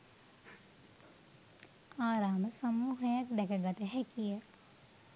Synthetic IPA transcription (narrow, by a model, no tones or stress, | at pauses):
aːɾaːməsɐmuːɦəjak̚d̪ɛkəɡat̪əɦɛkijə